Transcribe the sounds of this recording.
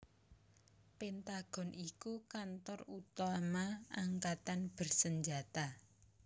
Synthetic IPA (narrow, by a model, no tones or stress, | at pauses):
pent̪aɡ̥ɔ̤nʔikukant̪ɔrut̪amaaŋkat̪anb̥ərsəɲd͡ʒa̤t̪a